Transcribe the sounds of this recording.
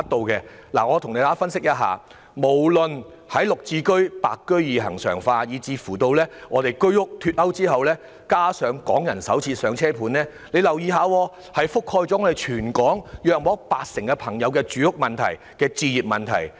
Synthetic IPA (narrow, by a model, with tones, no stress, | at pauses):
t̚t̪o˧wkɛː˧ | la̰ː˨˩ŋɔː˨˧t̪ʰʊ˨ŋne˨˧jt̪aː˨˥fɐ˥nsɪ˥k̚jɐ˥t̚ɦa̰ː˨ | mo˨˩wlɵ˨n | hɐ˨˥jlʊ˨k̚t͡siː˧kɵ˥ɥpa̰ː˨kːɵ˥ɥjiː˨ɦɐ˨˩ŋsœ̰ː˨˩ŋfaː˧jiː˨˧t͡siː˧fuː˨˩t̪o˧wlɛː˥ŋɔː˨˧ɾe˨jkɵ˥ɥjʊ˥k̚t̪ʰyː˧t̚ɐ˥wt͡siː˥ɦɐ˨wlɛː˥ | kaː˥sœː˨˧ŋkɔː˨˥ŋjɐ˨˩nsɐ̰˨˥wt͡sʰiː˧sœː˨˧ŋt͡sʰɛː˥pʰuː˨˧˥nlɛː˥ | le˨˧jlɐ˨˩wjiː˧ɦaː˨˧wɔː˧ | hɐ˨jfʊ˥kʰhɔː˧jt͡sɔː˨˥ŋɔː˧e˨jt͡ʃʰyː˨˩nkɔː˨˥ŋjœː˨k̚mɔː˨˥k̚paː˧k̚sɪ˨˩ŋkɛ˧pʰɐ˨˩ŋjɐ˨˧wkɛː˧t͡ʃyː˨˧jʊ˥k̚mɐ˨nt̪ʰɐ̰˨˩j | kɛː˧t͡siː˧jiː˨p̚mɐ˨nt̪ʰɐ̰˨˩j